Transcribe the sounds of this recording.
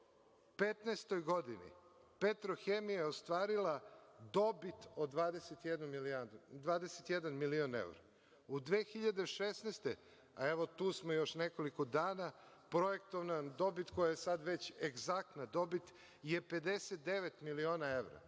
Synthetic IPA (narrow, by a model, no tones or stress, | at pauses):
pet̪nest̪o̞jɡo̞d̪inḭ | pet̪ɾoxemijajeost̪ʋaːɾilad̪o̞bit̪od̪ʋaːd̪eset̪jed̪numiliad̪d̪ʋaːd̪eset̪jed̪anmilione̞̰wɾa̰ | ud̪ʋeːxiʎad̪e̞ʃesneːst̪e | aeʋo̞t̪uːsmojo̞ʃneko̞likod̪aːna | pɾo̞jekt̪oʋnad̪o̞bit̪ko̞jajesad̪ʋet͡ɕeɡzak̚t̪nad̪o̞bit̪ | jepe̞d̪eset̪̚d̪e̞ʋet̪milio̞ːnae̞ʋɾa̰